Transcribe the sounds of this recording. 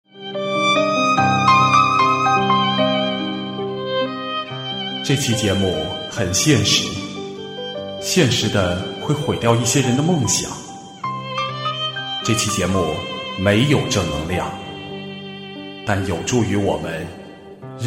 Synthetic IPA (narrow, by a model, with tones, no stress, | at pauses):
ʈ͡ʂɤ˥˩t͡ɕʰi˥˩t͡ɕjɛ˧˥mu˥˩ | xə˨˩nɕjɛ˥˩nʂɻ̩˧˥ | ɕjɛ˥˩nʂɻ̩˧˥d̪ə˧xwe˥˩ɪxwe˧˥ɪt̪jɑ˥˧ʊi˥˩ɕjɛ˥ɻə˧˥nd̪ə˧mɤ˥˩ŋɕjɑ̰˨˩˦ŋ | ʈ͡ʂɤ˥˩t͡ɕʰi˥˩t͡ɕjɛ˧˥mu˥˩me˧˥ɪjo˨˩ʊʈ͡ʂɤ˥˩nɤ̰˧˥ŋljɑ˥˩ŋ | t̪a˥˩njo˨˩ʊʈ͡ʂu˥˩y˧˥wɔ̰˨˩mə˦n